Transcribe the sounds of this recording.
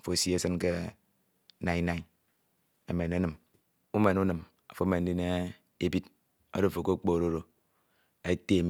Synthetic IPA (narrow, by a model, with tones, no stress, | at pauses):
fo˨si˦e˦sɨ˦nke˦ | na˨i˦na˨˦ | e˨me˨ne˨˦nɨ˨m | u˦me˨nu˦nɨ˨m | a˨fo˨˦me˨n̩˦i˦ne˦ | e˦bi˦t | o̰˦do˦˨fo˨ko˦k͡po˦˨ɾo˦ɾo˦ | e˦te˦˨m